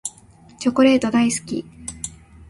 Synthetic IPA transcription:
t͡ɕo̞ko̞ɾe̞ːt̪o̞d̪aisɨ̥kʲḭ

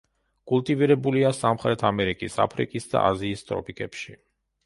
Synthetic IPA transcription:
kʼulˠt̪ʼiviɾɛbuliasamχɾɛt̪ʰamɛɾikʼisa̰pʰɾḭkʼisd̪a̰ʔaziːst̪ʼɾɔ̰pʰikʼɛpʃi

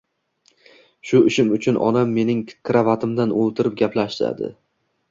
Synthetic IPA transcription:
ʃʊɪʃɪmʊt͡ʃʰʊnʔɒ̰namːe̞nɪŋkʲʰɾavat̪ʰɪmd̪anolˠt̪ʰɪɾɪp̚ɡʲaplaʃd̪a̰d̪ɪ̰

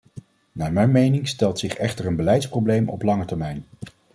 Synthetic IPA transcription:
naːɹmɛjnmejnɪŋstɛlˠtsɪχɛχtəɹənbəlɛjtsprowblejmɔ̰plɑŋətɛɹmɛjn

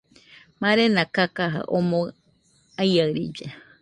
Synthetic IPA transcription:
mãɾenãkakaɦa̰ʔomõ | ajaɨɾid͡ʒe

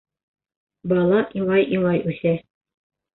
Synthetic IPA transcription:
bɑlˠɑʔiɴɑjʔiɴɑjʉθæ

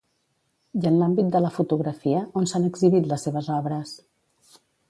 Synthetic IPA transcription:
janlambit̪̚d̪ələfut̪uɣɾəfiəonsanəɡziβit̪ləsːeβəzɔβɾəs

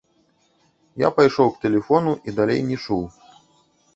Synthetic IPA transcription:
ja̰pajʂɔwkt̪ɛlʲɛfɔnuʔid̪alʲḛjnʲɛt͡ʂuw

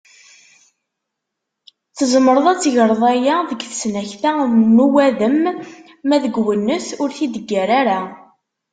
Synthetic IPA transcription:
θəzˤməɾˤəðˤæt͡sːʝəɾˤðˤæjaðəɡθsnæçθæmənuwæðəmː | æðəɡwənːəθʊɾθid̪əɡːæɾaɾa

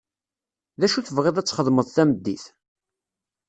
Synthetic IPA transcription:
ðæʃuθəvʁeðˤæt͡sːχəðˤməðˤθæməd̪ːiθ

